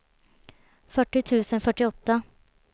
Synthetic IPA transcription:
fœʈːɪt̪ʰʉ̟ːsənfœʈːɪɔt̪ːə

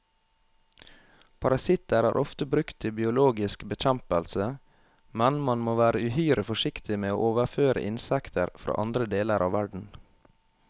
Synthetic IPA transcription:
pʰɑɾɑsɪt̪əɾhɑ̰ːɾʔɔft̪əbɾʉkt̪ʰɪbɪʊloːɡɪskbəc͡çæmpəlsə | mɛnmɑnmoːʋæːɾəʉhyːɾəfɔʂɪkt̪ɪmeːo̰ːʔoːʋəɾføːɾʔə̰ʔɪnsɛkt̪ʰəɾfɾo̰ːʔɑnd̪ɾəd̪eːləɾʔɑ̰ːʋæɖɳ̩

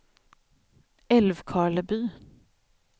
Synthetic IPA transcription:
ɛlvkʰɑːɭəbyː

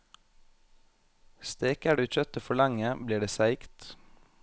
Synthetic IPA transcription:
st̪eːkæːɖʉːc͡çœt̪əfɔɭɑŋəbliːɖeːsæɪkt̪

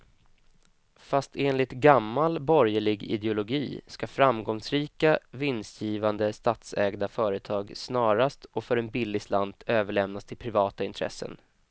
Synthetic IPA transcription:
fast̪ʰeːnlɪt̪ɡamːalbɔɾjəɭɪɡɪ̰d̪ɛʊlʊɡiːskafɾamɡɔŋsɾiːkavɪnsjiːvand̪əst̪aːt̪sɛːɡd̪afœːɾət̪ʰɑːɡsnɑːɾast̪ʰɔfœɾɛnbɪlːɪsland̪øːvəɭɛmnast̪ʰɪlpʰɾɪvɑːt̪aɪnt̪ʰɾɛ̰sːə̰n

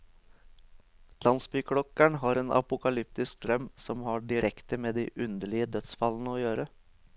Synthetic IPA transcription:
lɑnsbykʰɽɔkːæɳɦɑɾeːnʔɑ̰pʊkɑlʏp̚t̪ɪskd̪ɾœmsɔmhɑɖɪɾʔɛkt̪əmeːd̪iʔʉnd̪əɭɪəd̪œt̪sfɑlːn̩əɔjøːɾə

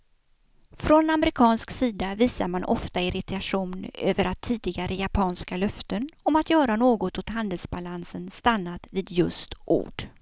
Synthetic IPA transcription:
fɾɔnamɾɪkʰɑːnsksiːd̪aviːsaɾmanʔɔ̰ft̪aɪɾɪt̪aʂuːnøːvəɾʔat̪ʰːiːd̪ɪɡaɾʔəjapʰɑːnskalœft̪ənɔmat̪jœːɾanoːɡɔt̪ɔt̪ɦand̪əlsbalansənst̪anːat̪viːd̪jɵ̰st̪ʔṵːɖ̥

